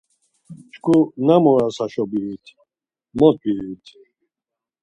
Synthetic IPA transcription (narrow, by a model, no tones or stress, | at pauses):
t͡ʃkʰunamɔɾasaʃɔbiut̪ʰ | mɔt̪̚biɾit̪ʰ